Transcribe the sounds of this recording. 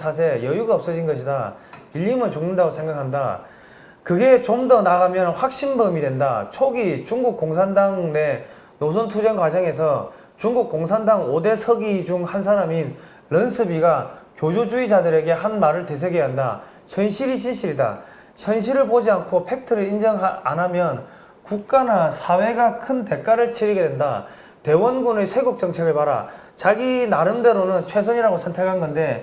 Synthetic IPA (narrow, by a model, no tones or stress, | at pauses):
tʰas̬ʰe̞jʌjuɡaʌp̚s͈ʌd͡ʑinɡʌɕ̬ʰida | iʎːimɯnt͡ɕuŋnɯndaɡosʰe̞ŋɡakʰanda | kɯɡe̞t͡ɕomdʌnaɡamjʌnɸwak̚ɕ͈inbɯmidwe̞nda̰t͡ɕʰoɡit͡ɕuŋɡuk̚k͈oŋsʰandaŋne̞ | nosʰontʰud͡ʑʌnkwad͡ʑʌŋe̞s̬ʰʌ | t͡ɕuŋɡuk͈̚oŋsʰandaŋode̞sʰʌɡid͡ʑuŋhansʰaɾamin | ɾʌnsʰɯbiɡakjod͡ʑud͡ʑuid͡ʑadɯɾe̞ɡe̞hanmaɾɯɭte̞s̬ʰeɡeɦanda̰ | çʰjʌnɕʰiɾiɕ̬ʰinɕʰiɾida̰ | çʰjʌnɕ̬ʰiɾɯɭpod͡ʑiankʰopʰe̞k̚tʰɯɾɯɭind͡ʑʌŋaa̰namjʌn | kuk̚k͈anasʰawe̞ɡakʰɯnte̞k͈aɾɯɭt͡ɕʰiɾiɡe̞dwenda̰ | te̞wʌnɡunɯsʰe̞ɡok̚t͡ɕ͈ʌŋt͡ɕʰe̞ɡɯɭpaɾa̰ | t͡ɕaɡinaɾɯmde̞ɾonɯnt͡ɕʰwe̞sʰʌɲiɾaɡosʰʌntʰe̞kʰanɡʌnde̞